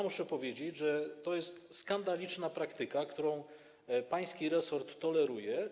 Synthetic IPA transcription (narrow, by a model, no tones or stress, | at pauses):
muʂɛpɔvʲjed͡ʑet͡ɕʐɛt̪ɔjɛst̪skand̪alʲit͡ʂnapɾakt̪ɘkakt̪uɾɔ̃w̃ | paj̃skʲiɾɛsɔɾt̪ːɔlɛɾujɛ